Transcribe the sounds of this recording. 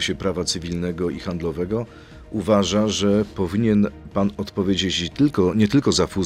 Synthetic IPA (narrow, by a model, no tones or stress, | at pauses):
ɕɛpɾavat̪sɘvʲilnɛɡɔixand̪lɔvɛɡɔ | uvaʐaʐɛpɔvʲiɲɛnpanɔt̪pɔvʲjed͡ʑet͡ɕt̪ɘlkɔɲɛt̪ɘlkɔzafu